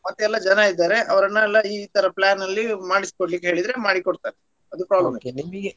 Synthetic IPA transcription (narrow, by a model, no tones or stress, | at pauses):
mɐt̪ːuɛlːɐd͡ʒɐnɐid̪ːaːɾe̞ʔɐʋɐɾɐnːɐɛlːɐiːt̪ɐɾɐplaːnɐlːimaːɽisi̥koɽlik̬ːeɦe̞ːɭid̪ɾe̞maːɽikoɽt̪aːɾe | ɐd̪upɾaːblɐmnimɐɡe